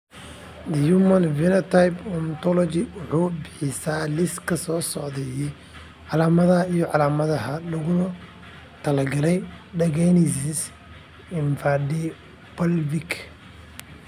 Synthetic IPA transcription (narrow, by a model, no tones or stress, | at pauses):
d̪ɐjumɐnvɪnɐt̪ʰajbɔnt̪ʰɔlɔt͡ʃɪwʊħuːbɪħɪsaːlɪskʰɐsɔːsɔʕðɛjɛj | ʕɑlaːmɐðɐijɔʕɑlaːmɐðɐɦɐlɐɣʊn | t̪ʰɐlɐɡɐlɛjɖɐɣɛnɪsɪs | ɪnfadi | b̥ɐlvɪk